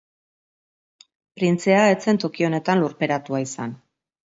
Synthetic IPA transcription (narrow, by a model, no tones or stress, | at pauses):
pɾint͡se̞ae̞t͡se̞nt̪o̞kio̞ne̞t̪anlurpe̞ɾat̪uaisan